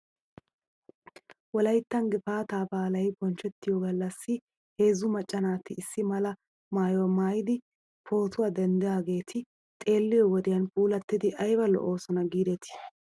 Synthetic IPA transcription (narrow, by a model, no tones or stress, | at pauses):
wɔlɐjt̪ːɐŋɡɪfaːt̪aːbaːlɐjbɔnt͡ʃːɛt̪ːɪjɔɡɐlːɐsːɪ | he̞ːzʊmɐt͡ʃʼːɐnaːt̪ːɪːsːɪmɐlɐ | maːjɔwmaːjɪd̪ɪ | pʰo̞ːt̪ʊwad̪ɛnd̪ɛjaːɡe̞ːt̪ʰɪ | t̪ʼe̞ːlːɪjɔwɔd̪ɪjɐnpʼuːlɐt̪ːɪd̪ɪʔɐjbɐlɔ̰ʔo̞ːsɔnɐɡiːd̪ɛt̪ɪ̥